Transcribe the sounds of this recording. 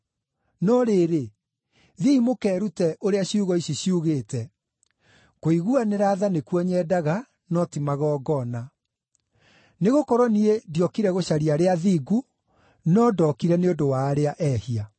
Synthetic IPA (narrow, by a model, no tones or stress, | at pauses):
nɔɾeːɾe | ðiimokɛːɾutɛʔoɾeaɕiuɣɔiɕiɕiuɣeːtɛ | koiɣuaneɾaːðanekwɔɲɛːdaɣa | nɔtimaɣɔːɡɔna | neɣokɔɾɔniediɔkiɾɛɣoɕaɾiaɾeaðiːɡu | nɔdɔkiɾɛneondowaːɾeaʔɛhia